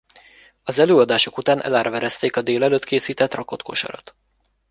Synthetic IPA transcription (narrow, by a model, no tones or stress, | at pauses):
ɒzɛløːɒd̪aːʃo̞kut̪aːnʔɛ̰laːɾɒvɛɾɛst̪eːkɒd̪eːlɛløːt̪kʰeːsiːt̪ɛt̪rɒko̞t̪kʰo̞ʃɒ̰ɾɒ̰t̪